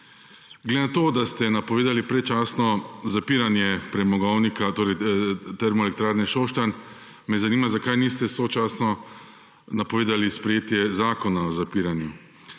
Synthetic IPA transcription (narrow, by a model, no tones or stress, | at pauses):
ɡled̪enat̪oːd̪ast̪ɛnapɔʋeːd̪alipɾɛt͡ʃaːsnɔzapiːɾanjɛpɾɛmɔɡɔwnikat̪oːɾɛjt̪ɛɾmɔɛlɛk̚t̪ɾaːɾnɛʃoːʃt̪an | mɛzaniːmazakaːjniːst̪ɛsot͡ʃaːsnɔ | napɔʋeːd̪alispɾɛjeːt̪jɛzaːkɔnaɔzapiːɾanju